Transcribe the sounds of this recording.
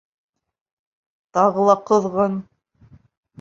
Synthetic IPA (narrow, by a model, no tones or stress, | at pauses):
t̪ɑʁɤlˠɑqɤ̆ðʁɤn